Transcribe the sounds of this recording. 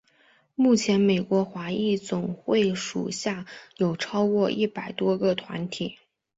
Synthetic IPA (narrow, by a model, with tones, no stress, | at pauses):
mu˥˩t͡ɕʰjɛ˧˥nme˨˩ɪkwɔ˧˥xwa˧˥i˥˩t͡sʊ˨˩ŋxwe˥˩ɪʂṵ˨˩ɕja˥˩jo˨˩ʊʈ͡ʂʰɑ˥ʊkwɔ˥˧ʔi˥˩pa˨˩ɪt̪wɔ˥ɡə˧t̪ʰwa̰˧˥nt̪ʰi˨˩˦